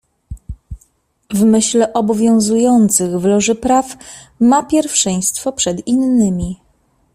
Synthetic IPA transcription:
vmɘɕlɛʔɔbɔvʲjɔ̃w̃zujɔnt̪sɘɣvlɔʐɘpɾaf | mapʲjɛɾfʂɛ̃j̃st̪fɔpʂɛd̪inːɘmʲi

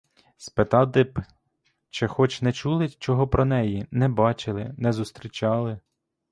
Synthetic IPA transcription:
spet̪ɑd̪ɪp | t͡ʃɛxɔt͡ʃnɛt͡ʃulˠɪt͡ʃɔɦɔpɾɔnɛjinɛbɑt͡ʃɪlˠɪnɛzʊst̪ɾʲit͡ʃɑlˠɪ

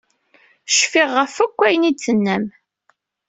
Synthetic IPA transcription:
ʃfɪʁːəfækʷːæjənit͡sːənːæm

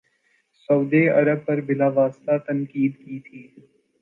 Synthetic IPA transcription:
sɐʊd̪eɐɾəb̚pɐɾbɪlaʋaːst̪at̪ɐ̃ŋkiːd̪kiːt̪ʰiː

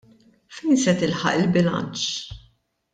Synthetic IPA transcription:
fɛjnsɛt̪ɪlħɐ̰ʔɪlbɪlɐ̰nt͡ʃ

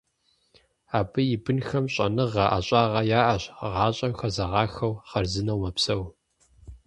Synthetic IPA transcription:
aːbɨjɪbɨnxɐmɕʼɐnɨʁɐʔa̰ɕʼaːʁɐjaːʔɐɕʁɑːɕʼɐmxɐzɐʁɑːxɐwχɐrzɨnɐwmɐpsɐw

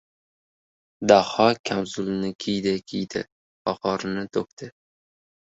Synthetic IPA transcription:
d̪ahɒkʲʰamzʊlɪnɪkʲʰijd̪ɪkʲʰijd̪ɪ̰ | ɒqɒɾɪnɪt̪ʰok̚ʲt̪ʰɪ

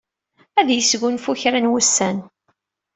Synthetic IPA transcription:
æðjəsɡʊnfuçɾænwʊsːæn

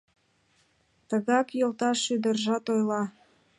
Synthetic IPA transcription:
t̪əɣɑkjolt̪ɑʃyd̪ərʒɑt̪ojlɑ

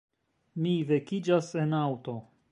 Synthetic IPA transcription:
mive̞kid͡ʒase̞nawto̞

